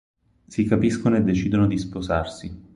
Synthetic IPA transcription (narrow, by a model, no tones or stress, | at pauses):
sikapiskonoed̪ːet͡ʃiːd̪onod̪ispoza̰rsi